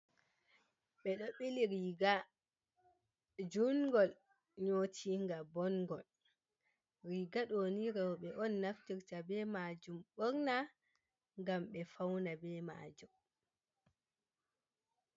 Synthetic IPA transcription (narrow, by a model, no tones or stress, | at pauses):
ɓɛɗɔɓiliɾiːɡa | d͡ʒunɡɔl | ɲoːtʰiŋɡabɔnɡɔl | ɾiɡaɗoniɾɛwɔɓɛʔɔnːaftiɾtabɛmad͡ʒumɓɔɾna | ŋɡamɓɛfawnabɛma̰ːd͡ʒum